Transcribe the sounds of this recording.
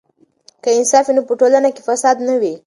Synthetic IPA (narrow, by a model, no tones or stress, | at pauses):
kaɪnsɑfinopəʈolanakefasɑd̪nawi